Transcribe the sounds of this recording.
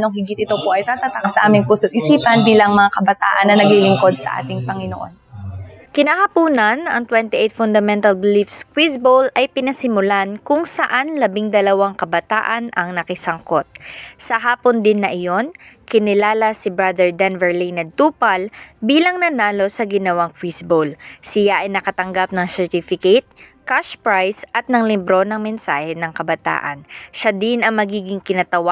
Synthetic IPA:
noŋhɪɡɪt̪ʔɪt̪opoʔɐjt̪aːt̪at̪ɐsɐʔaːmɪŋpusʊd̪ʔɪsiːpɐnbiːlɐŋmɐŋakɐbɐt̪aːʔɐnːɐnɐɡilɪŋko̞d̪̚sɐ̰ʔa̰ːt̪ɪŋpɐŋɪnoʔo̰nkɪnaːhɐpuːnɐnɐŋt̪wɛnt̪ɪʔɛjt̪fʊnd̪ɐmɛnt̪ɐlbɪlifskwisbolʔɐjpɪnɐsɪmʊlankʊŋsɐʔanlɐbɪŋd̪ɐlɐwaŋkɐbɐt̪a̰ːʔɐnʔɐŋnɐkɪsɐŋko̞t̪̚sɐɦaːpond̪ɪnːɐʔɪjo̞nkɪnɪlaːlɐsɪbɾad̪ɛɹd̪anvɛɹlijnɐd̪̚t̪uːpɐlbiːlɐŋnɐnaːlo̞sɐɡɪnɐwaŋkwisbolsɪjaʔɐjnɐkɐt̪ɐŋɡap̚nɐŋsɛɹt̪ifɪkɐt̪̚kaʃpɹajsʔɐt̪̚nɐŋlɪbɾo̞nɐŋmɛnsaːhɛnɐŋkɐbɐt̪a̰ːʔɐ̰nʃad̪ɪnɐŋmɐɡiːɡɪŋkɪnɐt̪ɐwa

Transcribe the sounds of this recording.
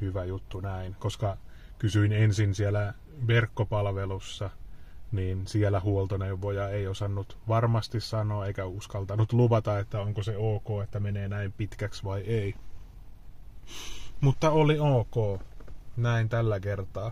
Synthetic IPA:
hyʋæjut̪ːunæinkoskɑ | kysyinensinsielæ | ʋerkːopɑlʋelusːɑniːnsielæhuolt̪oneʋʋojɑeiosɑnːut̪ʋɑrmɑst̪issɑnoːeikæuskɑlt̪ɑnut̪luʋɑt̪ɑet̪ːæoŋkoseoːkoːet̪ːæmeneːnæimpit̪kæksʋɑiei | mut̪ːɑolioːkoːnæint̪ælːækert̪ɑː

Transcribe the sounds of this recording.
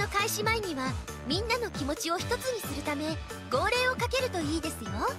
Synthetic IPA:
no̞kaiɕimaiɲ̟iβa | mʲĩnːano̞kʲimo̞t͡ɕio̞çi̥t̪o̞t͡sɨɲ̟isɨɾɯ̟t̪ame̞ | ɡo̞ːɾe̞ːo̞kake̞ɾɯ̟t̪o̞iːd̪e̞sɨjo̞

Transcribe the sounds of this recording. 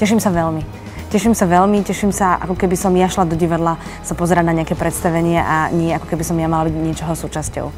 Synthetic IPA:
cɛʃ̬imsaʋɛlmi | cɛʃimsaʋɛlmicɛʃimsaʔa̰kɔkɛbisɔmjaʃlad̪ɔɟiʋad̪la | sapɔzɛɾaɟnaɲɛakɛpɾɛt̪st̪aʋɛɲɪɛʔaɲɪɛakɔ̥kɛbisɔmjamalabiɟɲɪɛt͡ʃɔɦɔsuːt͡ʃascɔ̰ʊ

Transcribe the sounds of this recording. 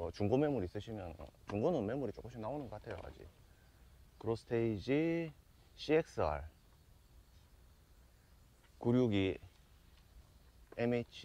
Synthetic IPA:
ʌt͡ɕuŋɡome̞muɾiːs͈ɯɕʰimjʌnʌ̰t͡ɕuŋɡonɯnme̞muɾit͡ɕ͈ok͈ɯmɕʰinaonɯnɡʌk͈atʰejoka̰d͡ʑḭ | kɯɾosʰɯ̥tʰeid͡ʑi | ɕʰiek̚s͈ɯa̰ɭ | kuɾjuɡi | emet͡ɕʰ

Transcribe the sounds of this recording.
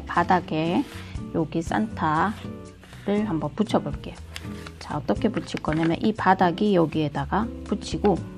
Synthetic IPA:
padaɡe̞joɡis͈a̰ntʰa | ɾɯɭhambʌnput͡ɕʰʌboɭk͈e̞jot͡ɕa̰ʌt͈ʌkʰe̞put͡ɕʰik͈ʌɲamjʌ̰nʔipadaɡijʌɡiedaɡaput͡ɕʰiɡo

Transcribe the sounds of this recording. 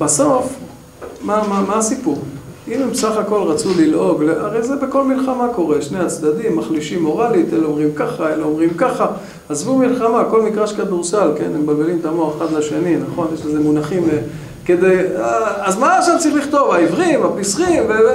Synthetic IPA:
baso̞f | mamamaasipuʁ | imemsaχako̞lʁat͡sulilʔo̞ɡleʔaʁejzebeko̞lmilχamako̞ʁe̞ʃne̞jat͡sd̪ad̪imːaχliʃimːo̞ʁalit̪eleomʁimkaχaeleomʁimkaχa | azvumilχamako̞lmikʁaʃkad̪uʁsalke̞̰nembalbelimt̪amoaχeχad̪laʃe̞ninaχo̞njeʃleze̞munaχime | ked̪ejaazmaaʃavt͡saʁiχliχt̪o̞vaivʁimapisʁimve

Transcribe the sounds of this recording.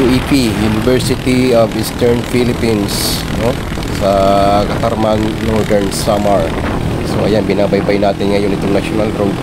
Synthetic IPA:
uʔipijunɪvɛɹsɪt̪iovist̪ɛɹnfilɪpins | no | sɐkɐt̪ɐɾmanːoɹd̪ɛɹnsamɐɹ | soʔɐjanbɪnaːbɐjbajnaːt̪ɪnŋɐjonɪt̪oŋnaʃonalɡɾod

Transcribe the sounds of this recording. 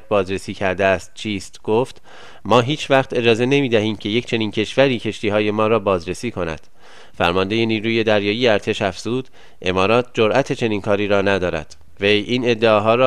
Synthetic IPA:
t̪̚bɒːzɾe̞siːcʰæɾd̪eæst̪̚t͡ʃʰiːst̪ɡ̥oft̪ | mɒːɦiːt͡ʃʰvæχt̪ʰe̞d͡ʒɒːze̞ne̞miːd̪æɦiːmcʰe̞je̞cʰt͡ʃʰe̞niːncʰe̞ʃvæɾiːcʰe̞ʃt̪iːhɒːje̞mɒːɾɒːbɒːzɾe̞siːkʰonæ̰d̪̥ | fæ̰ɾmɒnd̪e̞je̞niːɾuːje̞d̪æɾjɒːjiːjeæɾt̪ʰe̞ʃæfz̥uːd̪̥ | ʔe̞mɒːɾɒːt̪̚ʰd͡ʒoɾʔæt̪ʰe̞t͡ʃʰe̞niːnkʰɒːɾiːɾɒːnæd̪ɒːɾæ̰d̪̥ | vejʔiːne̞d̪ːeɒːɦɒːɾɒː

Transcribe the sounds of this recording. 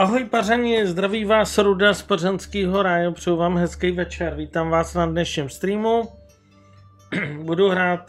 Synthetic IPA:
ʔaɦojparaɲɪzd̪ɾaviːvaːsɾudaspozɛnskiːɦoɾajopr̝̥ɛjuwvaːmɦɛskɛjvɛt͡ʃɛɾviːt̪aːmvaːsnadnɛʃɲimst̪ɾiːmu | buduɦɾaːt̪̚

